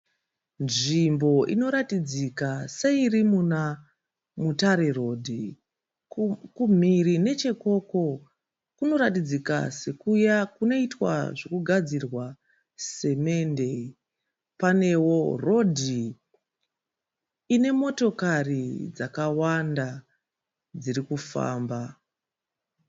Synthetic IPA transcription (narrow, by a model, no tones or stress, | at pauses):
nʐimbo̞ʔḭno̞ɾatid͡zikase̞irimuna | mutaɾe̞ro̞dʱi | kum̤irine̞t͡ʃe̞ko̞ko̞ | kuno̞ɾatid͡zika̰se̞kujakuno̞itwa̰ʐokuɡʱad͡zirwa | se̞me̞nde̞ | pane̞wo̞ro̞dʱi | ine̞mo̞to̞karid͡zakawanda | d͡ziɾikufa̰ːmba